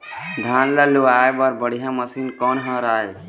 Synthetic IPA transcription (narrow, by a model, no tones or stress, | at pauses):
d̪ʱãnləluajbəɾbəɽ̤ijãməsinkɔnɦə̃ɾae